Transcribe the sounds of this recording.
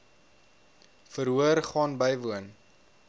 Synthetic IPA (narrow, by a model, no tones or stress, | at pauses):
fəɾɦuəɾχɑːnbəjvuən